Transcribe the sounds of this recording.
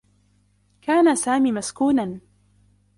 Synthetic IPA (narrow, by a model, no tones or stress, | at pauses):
kaːnasaːmiːmaskuːnan